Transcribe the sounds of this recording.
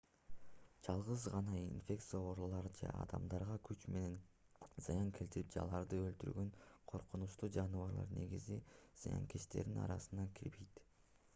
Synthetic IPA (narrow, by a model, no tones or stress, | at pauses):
d͡ʒɑlˠʁɯzʁɑnɑinfʲe̞kt̪sɨjaoɾlˠɑɾd͡ʒḛɑ̰d̪ɑmd̪ɑɾʁɑkʰyt͡ʃme̞ne̞n | zɑjɑŋkʲʰe̞lt̪iɾip̚d͡ʒɑ̰lˠɑɾd̪ɯø̞lt̪yɾɡø̞nqʰo̞ɾqunuʃt̪uːd͡ʒɑnɯvɑɾlˠɑ̰ɾne̞ɡiziz̥ɑjɑ̰ŋkʰeʃt̪e̞̰ɾd̪inɑ̰ɾɑsɯnɑkʲʰiɾbejt̪